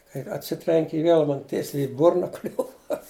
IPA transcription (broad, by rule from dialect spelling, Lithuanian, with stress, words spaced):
kɐɪ ɐtʲˈsʲɪtʲrʲɛŋʲkʲɪ ɪ ˈʋʲeːlˠ ˈmɐn ˈtʲiɛsʲɛɪ ɪ ˈbʊrnɐ ˈklʲʊʋɐ